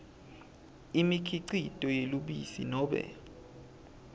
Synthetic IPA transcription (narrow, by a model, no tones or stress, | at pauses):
imikʰiǀitʼɔjeluɓḭsḭnɔːɓɛ̰